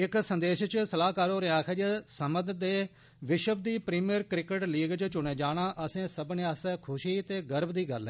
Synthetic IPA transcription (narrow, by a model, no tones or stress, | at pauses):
ɪksənd̪eːʃt͡ʃsəlaːkaːɾoːɾeãːkʰɛd͡ʒesəməd̪d̪eː | ʋɪʃəb̚d̪iːpɾiːmiəɾkɾɪkəʈliːɡt͡ʃt͡ʃʊɳẽːd͡ʒaːɽ̃aːʔəsẽːsəbneːaːsɛːkʰʊʃiːt̪eːɡəɾbd̪iːɡə̰ɾlɛː